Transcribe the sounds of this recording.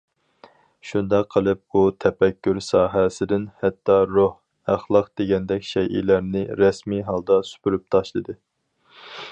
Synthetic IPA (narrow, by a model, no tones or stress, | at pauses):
ʃund̪ɑqʰːəlˠɨp̚but̪ʰɛpɛkʲʰːyɾsɑːɦɛsɪd̪ɪnhɛt̪ʰːɑɾoh | æχlˠɑqd̪̥eɡʲɛnd̪ɛkʲʃɛjʔḭlæɾnɪɾɛsmiɦɑlˠd̪ɑsy̥pyɾyp̚t̪ʰɑʃlˠɨd̪ɨ